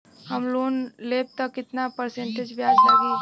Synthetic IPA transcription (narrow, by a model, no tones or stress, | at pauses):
həmlunlep̚t̪əkɪt̪napəɾsẽɳʈed͡ʒbjad͡ʒɦaɡi